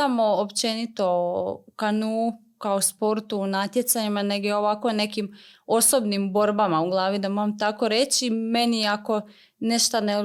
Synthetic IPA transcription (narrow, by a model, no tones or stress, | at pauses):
amoːpt͡ʃe̞nit̪o̞kanuː | kaospo̞ɾt̪uːnat̪jet̪saɲimane̞ɡeo̞ʋakone̞kimo̞sobnimbo̞ɾbamauɡlˠaːʋid̪amoɾamt̪ako̞ɾe̞t͡ɕime̞niako̞ | neʃt̪ane